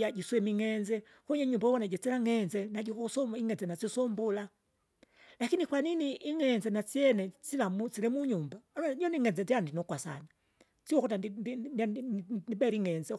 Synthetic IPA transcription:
ad͡ʒiswɛmiŋɛnzɛ | kuɲɛɲumbawɔnad͡ʒɛt͡silaŋɛnzɛnaɟikɔsɔiŋɛnzɛnat͡ʃisɔmbula | lakinikwaniniʔːŋɛnzɛnat͡siɛnɛt͡silamut͡silɛmuɲumbanɲɔniŋɛnd͡zɛndiandinɔkwasa̰na | siwɔkɔtadin | nibɛɾiŋɛnzɛ

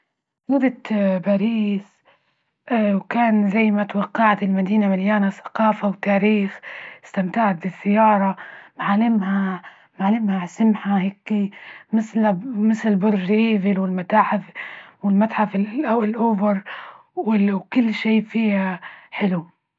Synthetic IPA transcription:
nʊd̪ɪt̪baɾiːs | ʔwkaːnzajːmat̪wɑqːɑʕat̪ɪlmad̪iːnamɪljaːnasḁqɑːfawt̪aːɾiːxɪst̪amt̪aʕat̪̚bɪsːajːɑːɾˤɑmʕalɪmha | mʕalːɪmhasɪmħaheːkːimɪslmɪslɪbʊɾːiːvɪlwɪlmat̪aːħɪfwɪlmat̪ħafɪlʔawlʔʊbɪɾˤ | wɪwkʊlːʃeːfiːhaħɪlu

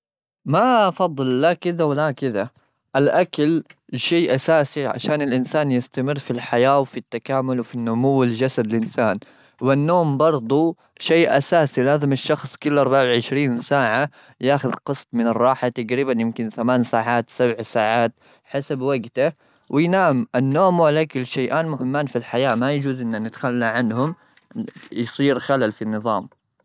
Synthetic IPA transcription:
mafɑd̪ˤːɨlːakɪðawɪlakɪða | ʔalʔakalʃeːʔasaːsiʕa̰ʃaːnɪlʔɪnsaːnjɪst̪amɪrːfilħajaːwfit̪ːakaːmʊlwfinːʊmuwːɪld͡ʒasad̪ɪlʔɪnsaːn | wɪnːoːmbɑɾˤd̪ˤu | ʃeːʔa̰saːsilaːzɪmaʃːɑxsˤkʊlːʔɑɾˤbaʕawʕɪʃɾiːnsaːʕa | jaːxʊðqɨsˤt̪ˤmɪnɨrˤːɑːħat̪aɡɾiːbanjɪmkɪnθamaːnsaːʕaːt̪sabʕsaːʕaːt̪ | ħasabwaɡt̪a | wɪjnaːmʔanːoːmwʕalaʔakʊlʃajʔaːnmʊhɪmːaːnfilħajaːmajad͡ʒuːzʔɪnːanɪt̪xalːaʕanhʊm | jsˤiːɾxalalfinːɨðˤɑːm

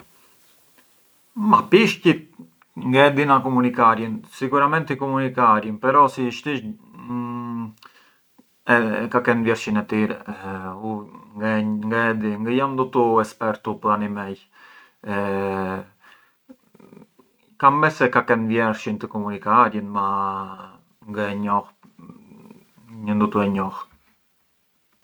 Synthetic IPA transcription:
mapiʃcit̪ | ŋɡaɛd̪inakɔmunikaɾjənsikuɾamɛnt̪ikɔmunikaɾjənpɛɾɔsiʃt̪iʃ | ɛkakɛnvjɛɾʃinɛt̪iɾɛuŋɡaŋɡaɛd̪iŋɡəjamnd̪ut̪uɛspɛɾt̪upəanimɛj | kamːɛsɛkakɛnvjɛɾʃint̪əkɔmunikaɾjənma | ŋɡəɛɲɔh | ɲənd̪ut̪uɛɲɔh

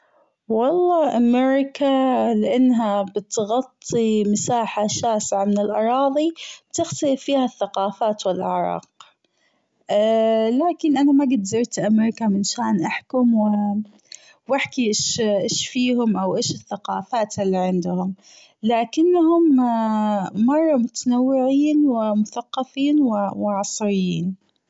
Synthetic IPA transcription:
wɑlˤːɑːʔameɾɪkalɪʔanːɦabɪt̪ɣɑt̪ˤːimɪsaːħaʃaːsʕamɪnɪlʔɑɾˤɑːðˤibt̪ɪxt̪alɪfːiːhaθːaqɑːfaːt̪wɪlʔɪ̰ʕɾˤɑ̰ːq̚ | laːkɪnʔanamaɡɪd̪zɪɾt̪ʔameːɾɪkamɪnʃaːnʔaħkʊmwɪ | wɪħkiʔɪʃʔeːʃfiːhʊmʔawʔeːʃɪθːaqɑ̰ːfaːt̪ɪlːiʕɪnd̪ʊhʊm | laːkɪnːhʊm | mɑrˤːɑmʊt̪anawːɪʕiːnwɪmʊθaqːɑfiːnwɪwɪʕɑsˤɾɪjːiːn

